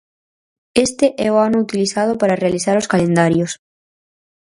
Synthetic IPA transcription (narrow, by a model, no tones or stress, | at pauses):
est̪eʔɛoanout̪iliθað̞opaɾarealiθaɾoskalend̪aɾjos